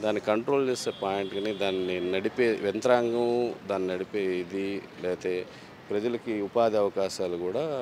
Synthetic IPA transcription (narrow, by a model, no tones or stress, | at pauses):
d̪aːnːikɐɳʈɾoːlt͡ʃeːseːpaːjeɳʈɡaːnid̪aːnːinɐɽipeːʋent̪ɐɾaːŋɡɐmd̪aːnːinɐɽipeːid̪ilɛːt̪eː | pɾɐd͡ʒɐlɐkiupaːd̪iɐʋɐkaːʃaːlukuːɽaː